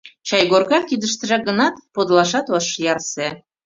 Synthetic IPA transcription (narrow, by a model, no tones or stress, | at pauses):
t͡ɕɑjɡorɣɑkːid̪ə̆ʃt̪ə̆ʒæɡə̆nɑt̪pod̪lɑʃɑt̪oʃjɑrse